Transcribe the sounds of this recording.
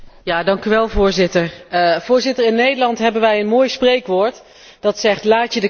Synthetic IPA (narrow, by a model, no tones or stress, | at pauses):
jaːdɑŋkyʋɛlˠvʊːɹzɪtəɹv̥ʊːɹzɪtəɹɪnːejdəlɑntɦɛbənʋɛjənmoːjsprejkʋoːɹt | d̥ɑtsɛχtlaːtədə